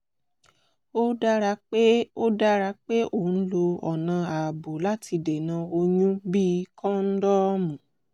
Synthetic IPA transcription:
o˦da˦ɾa˧k͡pe˦o˦da˦ɾa˧k͡pe˦ʔo˦˨n̩˦lo˧ɔ˨nã˧a˨bo˨la˦ti˧de˨nã˨˧o˧ɲũ˦bi˦˧˦kʰɔ̃˦n̩˦dɔ˦mũ˨

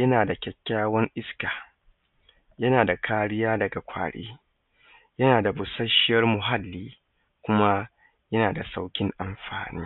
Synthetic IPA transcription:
jɐ˦naː˨da˨kʲɛ˨kʲːaː˦wɐ˦ŋʔɪ˦skaː˨ | jɐ˦naː˨da˨kʰaː˦ɽɪ˦jaː˦dɐ˨ɡa˨kʷa̰ː˨ɽḛː˦ | jɐ˦naː˨da˨bʊ˨sɐ˦ʃɪ˦jɐ˦rmʊ˨ɦa˦lːiː˦ | kʷʊ˦ma˦ | jɐ˦naː˨da˨sa˦wkʲɪ˦ŋʔa˨mɸa̰ː˨nḭː˦

